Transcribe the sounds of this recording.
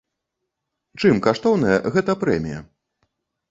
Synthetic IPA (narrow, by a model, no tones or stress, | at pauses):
t͡ʂɨmkaʂt̪ɔwn̪ɐjɐ̰ɣɛt̪ɐpɾɛmʲijɐ̰